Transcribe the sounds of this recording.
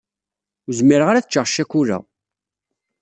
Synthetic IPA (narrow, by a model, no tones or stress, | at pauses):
uzmiɾəʁaɾæθt͡ʃːəʁʃækuɾæ̰